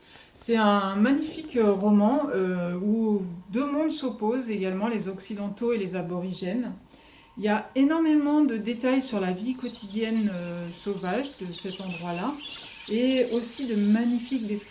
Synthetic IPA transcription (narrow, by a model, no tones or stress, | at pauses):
sɛt̪ɛ̃maɲifikʁɔmɑ̃øud̪ømɔ̃d̪sɔpozeɡalmɑ̃lezɔksid̪ɑ̃t̪oelezabɔʁiʒɛn | iljaenɔʁmemɑ̃d̪əd̪et̪ajsyʁlavikɔt̪ʰid̪jɛnøsovaʒd̪əsɛt̪ɑ̃d̪ʁwala | eosid̪əmaɲifik̚d̪eskχi